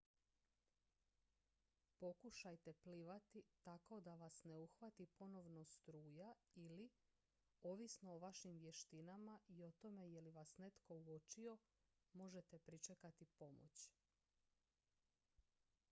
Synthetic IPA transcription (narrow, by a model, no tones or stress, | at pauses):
po̞kuʃajt̪e̞pliʋat̪it̪ako̞d̪aʋasneuxʋat̪ipo̞no̞ʋno̞st̪ɾuːjaili | o̞ʋisno̞ːʋaʃimʋje̞ʃt̪inamaʔio̞t̪o̞me̞je̞liʋasne̞t̪ko̞uot͡ʃio̞ | mo̞ʒe̞t̪epɾit͡ʃekat̪ipo̞mo̰t͡ɕ